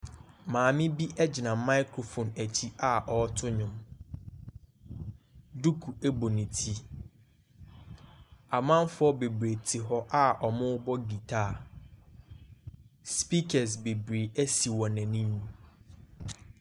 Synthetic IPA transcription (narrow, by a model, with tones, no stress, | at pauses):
mãː˨mɪ̃˦bi˦ʔɛ˦d͡ʑɪ˨nã˨ma˦ɪ˦kʰɾo˨fo˨næ˨t͡ɕʰi˦ʔa˦ʔɔ˨˦tʰʊ˦ɲʊ̃˦m | du˦kʰu˨æ˦bo˨nĩ˨tʰi˦ | a˨mã˦nfʊ˦ɔ˦be˨bɾe˨tʰi˨ɦɔ˦ʔa˦ɔ˨mʊ̃˦bɔ˦ɡi˨tʰaː˦˨ | spi˦kʰɛ˨s̬be˨bɾeː˨æ˦si˨wɔ̃˨nɛ̃˨nĩ˦ɲũ˦